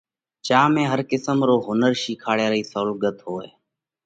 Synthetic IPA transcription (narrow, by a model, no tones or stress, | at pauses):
t͡ʃaːmẽːɦəɾkɪsəmɾoːɦʊnəɾʃiːkʰaːɽeːɾiːsəlɡət̪ɦoːḛː